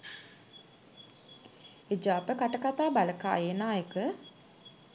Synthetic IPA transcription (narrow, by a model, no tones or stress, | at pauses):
ed͡ʒaːpəkaʈəkat̪aːbaləka̰ːjeːnaːjekə